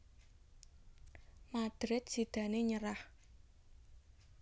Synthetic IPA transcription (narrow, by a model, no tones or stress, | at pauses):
mad̪̥ɾɪt̪̚si̤d̪̥ä̤neɲəɾah